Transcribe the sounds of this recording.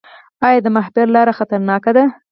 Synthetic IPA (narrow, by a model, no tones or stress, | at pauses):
ɑjɑd̪əmahbɪɾlɑɾaxat̪aɾnɑkad̪a